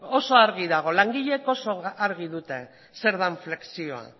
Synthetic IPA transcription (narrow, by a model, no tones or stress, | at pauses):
o̞so̞aɾɣiðaɣ̞o̞laŋɡiʎe̞ko̞so̞aɾɣiðut̪e̞ | se̞ɾðaɱfle̞ksio̞a̰